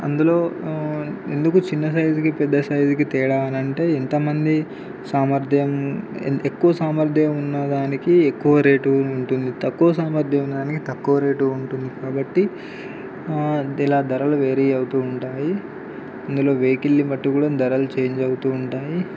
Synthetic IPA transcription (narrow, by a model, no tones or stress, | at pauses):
ɐ̰nd̪ulo̞ː | e̞nd̪ukut͡ʃinːɐs̬ɐjzikipɛd̪ːɐsɐjzik̬it̪ɛːɽaːnɐɳʈe̞ːent̪ɐmɐnd̪i | saːmɐɾd̪ʱjɐm̰nekːuʋɐsaːmɐɾd̪ʱɐjɐmunːɐd̪aːnikiekːuʋɐɾe̞ːʈuːɳʈund̪it̪ɐkːuʋɐsaːmɐɾd̪ʱjɐmunːɐd̪aːnikit̪ɐkːuʋɐɾe̞ːʈuuɳʈund̪ikaːbɐʈːi | ilaːd̪ɐɾɐluʋeːɾiɐwut̪uːuɳʈaːji | ɐnd̪ulo̞ːʋe̞ːkilːimɐʈːikuːɽɐd̪ʱɐɾɐlut͡ʃe̞ːɲd͡ʒɐwut̪uːɳʈaːji